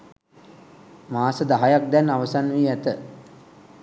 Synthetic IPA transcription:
maːsəd̪aɦajak̚d̪ɛnːaʋəsanʋiːæt̪ə

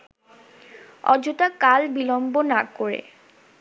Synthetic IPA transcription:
ɔ̰d͡ʑutakalbilɔmbonakoɹḛ

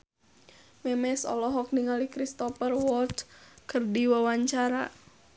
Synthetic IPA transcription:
mɛmɛsɔ̰lɔɦɔk̚niŋalikɾist̪ɔfərwɔlt̪kərdiwawaɲt͡ʃaɾa̰

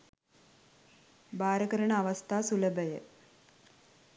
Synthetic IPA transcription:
baːɾɐkɐɾɐɳɐɐʋɐst̪ʰaːsulɐbɐjə̰

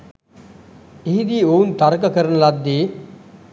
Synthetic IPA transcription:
eɦid̪iːount̪aɾkəkəɾənəlad̪ːeː

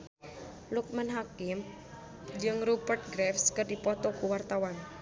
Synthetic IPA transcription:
luk̚mənɦakɪm | d͡ʒɨŋɾupərt̪̚ɡɾɛfskərdipɔt̪ɔkuwart̪awan

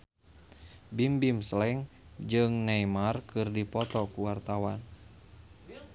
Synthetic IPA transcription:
bimbimslɛŋ | d͡ʒɨŋnɛjmarkɨrdipɔt̪ɔkuwart̪awan

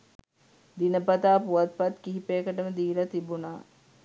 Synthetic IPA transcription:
d̪inəpat̪aːpuʋat̪̚pat̪kiɦipeːkəʈəməd̪iːlat̪ibunaː

